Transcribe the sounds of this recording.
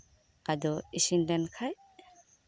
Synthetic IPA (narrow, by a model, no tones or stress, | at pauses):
kad̪ɔisindɛnkʰaj